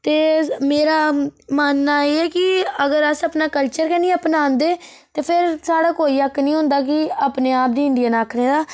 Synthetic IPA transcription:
t̪eːmeːɾaːmaːnːaːeːɛːkɪəɡəɾəsəpnaːkəlt͡ʃəɾkɛːniːəpnaːnd̪eː | t̪eːpʰɪɾsaːɽaːkoːiːəkːnĩːɦʊ̃nd̪aːk̬ɪaːpneːaːp̚d̪iːɪɳɖɪijaːnaːkʰɽeːd̪aː

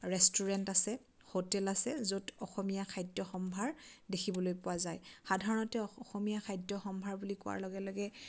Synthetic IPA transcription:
ɹɛstuɹɛntasɛ | hotɛlasɛzotɔxɔmijakʰajdjɔxɔmbʱaɹdekʰibɔlojpʊwazajxadʱaɹɔnɔtɛɔɔxɔmijakʰajdɔxɔmbʱaɹbulikʊwa̰ɹlɔɡɛlɔɡɛ

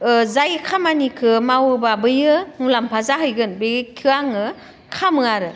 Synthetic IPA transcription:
zajkʰamanikʰɯmawɯbabɯjɯmulampʰazaɦɯjɡɯnbeɡekʰɯaŋɯ | kʰamɯaɾɯ

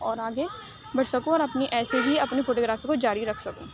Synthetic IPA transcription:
ɔːɾaːɡe | bɐɽsɐkũɔːɾɐpniʔɛːseɦiɐpnifoːʈoːɡɾaːfikod͡ʒaːɾiɾɐkʰsɐkũː

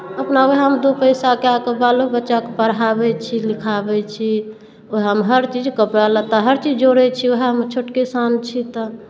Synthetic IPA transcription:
əpnaoɦɦəmd̪opəɪsakeakebalobətːʃakepəɾɦabɛt͡ʃʰilikʰabɛt͡ʃʰi | oɦɦəmɦəɾt͡ʃid͡ʒkəpɽalət̪ɔɦəɾt͡ʃid͡ʒd͡ʒoɽɛt͡ʃʰioɦɦəmt͡ʃʰoʈkesant͡ʃʰit̪ɔ

